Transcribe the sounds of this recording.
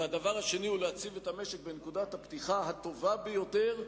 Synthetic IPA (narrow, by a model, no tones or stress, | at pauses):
ad̪avaʁhaʃe̞niuleat͡sivetameʃekbenekudat̪apt̪iχaɦat̪o̞vabejo̞teʁ